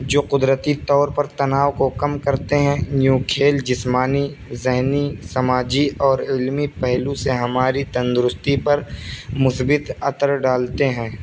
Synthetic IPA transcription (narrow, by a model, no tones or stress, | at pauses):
d͡ʒoːqʊd̪ɾət̪it̪ɔːɾpɐɾt̪ɐnaːʋkokɐmkɐɾt̪eɦɛ̃njũːkʰeːld͡ʒɪsmaːni | zɪɦnisɐmaːd͡ʒiɔːɾɪlmipɛɦluseɦɐmaːɾit̪ɐ̃nd̪ʊɾʊst̪ipɐɾmʊsbɪt̪ɐt̪əɾɖaːlt̪eɦɛ̃ː